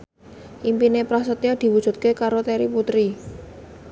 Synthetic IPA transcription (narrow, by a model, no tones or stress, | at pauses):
ʔimpinepɾasət̪jad̪̥i̤wud̥ʒ̥ṳt̪̚kekaɾot̪ɛɾiput̪ɾi